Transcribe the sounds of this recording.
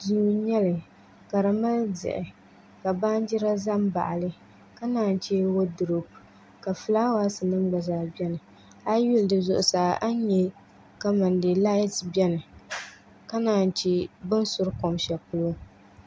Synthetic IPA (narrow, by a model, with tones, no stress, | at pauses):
di˦ɲɛ˦lɨ˨ | ka˨ɾa˨ma˦ldɨ̰˨ʔɪ˨ | ka˨baː˦n˦d͡ʒi˦ɾa˦za˦m˦ba̰˨ʔa˨lɨ˦ | ka˦naː˦˨n˨t͡ʃe˦wo˦dʊ˨ɾu˨p | ka˨fɨ˨laː˦wa˦sɨ˨nɨ˦m˦ɡ͡ba˨zaː˨bɛ˦nɨ˨ | a˦ju˦ldɨ˨zʊ˨ʔʊ˨saː˨ʔa˦ɲɛ˨ | ka˦ma˨ndɨ˨la˦tbɛ˦nɨ˨ | ka˦naː˨n˨t͡ʃi˦bɨ˦n˦sʊ˦ɾko˨mʃɛ˨pʊ˦l